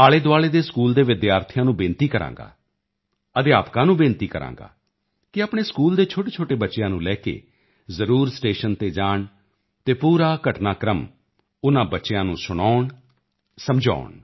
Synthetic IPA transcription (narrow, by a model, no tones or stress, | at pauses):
aːɭeːd̪ʊaːɭeːd̪eːskuːld̪eːʋɪd̪jaːɾt̪ʰjãːnũːbɪ̃ːnt̪iːkəɾã̰ːŋɡa̰ː | əd̪eaːpkãːnũːbɪ̃ːnt̪iːkəɾã̰ːŋɡa̰ː | kɪaːpɳ̃eːskuːld̪eːt͡ʃʰoːʈeːt͡ʃʰoːʈeːbətːʃejãːnũːlɛːkḛː | zəɾuːɾsʈeːʃənt̪eːd͡ʒaːɳ | t̪eːpuːɾaːkəʈnaːkɾəm | ʊnãːbətːʃejãːnũːsʊɽaːɳ | səmd͡ʒa̰ːɳ